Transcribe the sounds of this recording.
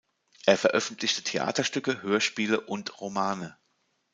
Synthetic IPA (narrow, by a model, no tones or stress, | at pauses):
ʔeːɐfɛɐʔœfn̩tlɪçtətʰeʔa̰ːtɐʃtʏkəhøːɐʃpiːləʔʊntʁomaːnə